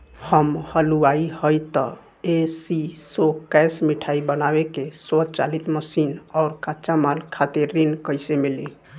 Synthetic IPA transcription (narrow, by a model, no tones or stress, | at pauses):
həmhəluaihəjt̪ɔ | esisokɛsmiʈʰaibənabekesɔt͡ʃalit̪məsinaʊɾkat͡ʃamalkʰat̪eɾːinkəjsemili